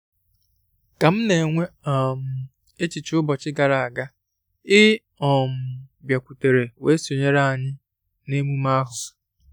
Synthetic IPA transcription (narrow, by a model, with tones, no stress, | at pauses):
ka˨m̩˦ne˨ŋʷe˦ɔ˨m̩˨ | e˦t͡ʃi˨t͡ʃɪ˦ʊ˦bɔ˨t͡ʃɪ˦ɡa˨ɾa˨a˨ɡa˦ | ɪ˦ | ɔ˨m̩˨bja˨kʷu˨te˨ɾe˨we˦so˨ɲe˦ɾa˦a˨ɲɪ˦ | ne˦mu˦ma˦ɦʊ˨